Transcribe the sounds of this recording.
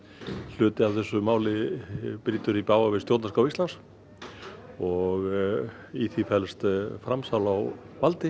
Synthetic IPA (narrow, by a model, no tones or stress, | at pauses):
l̥ʏːt̪ɪavθɛsːʏmaːwlɪpɾiːt̪ʏɾipaːwavɪsjowt̪naskawist̪lans | ɔɣ | iθifɛlst̪fɾamsawlaw | valt̪ɪ